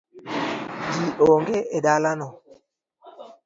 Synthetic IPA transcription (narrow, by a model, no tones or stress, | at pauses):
diʔoŋɡeedalanɔ